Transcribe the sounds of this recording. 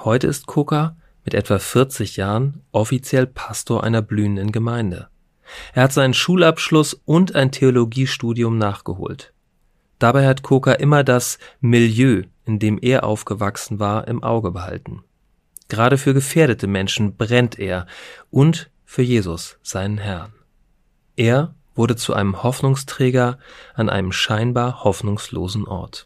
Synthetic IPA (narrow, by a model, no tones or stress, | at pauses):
hɔʏtəɪ̰stkʰoːka | mɪtʔɛ̰tv̥afɪɐt͡sɪçjaːʁənʔɔfit͡sjɛlpʰastʰoːɐʔa̰ɪnɐblyːəndənɡəmaɪndə | ʔeːɐhatz̥aɪnənʃuːlapʃlʊsʔʊntaɪntʰeoloɡiːʃtuːdiʊmnaːχɡ̥əho̰ːlt | d̥abaɪhatkʰoːkaʔɪmɐdasmɪljøːʔɪndeːmʔeːɐʔa̰ʊfɡ̥əvaksn̩vaːɐʔɪ̰mʔa̰ʊɡəbəha̰ltn̩ | ɡ̥əʁaːɾəfyːɐɡəfeːɐɾətʰəmɛnʃn̩bʁɛntʰeːɐʔʊnt | fyːɐjeːzʊsz̥aɪnənɦɛɐn | ʔeːɐv̥ʊɐɾət͡suʔa̰ɪnəmhɔfnʊŋstʁ̥ɛːɡɐʔanʔa̰ɪnəmʃaɪnbaːɐhɔfnʊŋslo̰ːzn̩ʔɔ̰ɐt